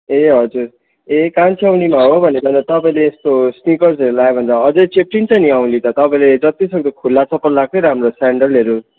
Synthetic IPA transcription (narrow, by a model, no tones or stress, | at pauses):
eɦʌd͡zuɾ | ekant͡sʰawnimaɦobʱʌnekʌnd̪ʌt̪ʌpaĩleːst̪osnikʌrd͡zeɾulaebʱʌndʌɦʌd͡zet͡sep̚ʈint͡sʰʌniaw̃lit̪ʌt̪ʌpaĩled͡zʌt̪isʌŋɡʌkʰulːat͡sʰʌpːʌnlak̚kejɾʌɦamrosaɳɖʌlɦeɾu